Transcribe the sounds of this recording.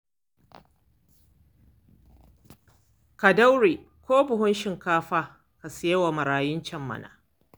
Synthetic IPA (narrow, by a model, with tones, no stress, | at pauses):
ka˨da˦wɽeː˨ | kʷoː˦bʊ˨hʊ˦nʃɪ˨ŋkaː˦ɸaː˦ | ka˨sɪ˨je˦wa˨mɐ˨ɾaː˨jɪ˦nt͡ʃɐ˦mːɐ̰˨nʔa̰ː˨